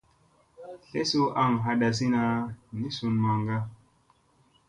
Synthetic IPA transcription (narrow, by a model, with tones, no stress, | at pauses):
ɬe˦su˦ʔa˦˨ŋɦa˧ɗa˨s̬i˦na˧ni˦su˨nma˨ŋɡa˦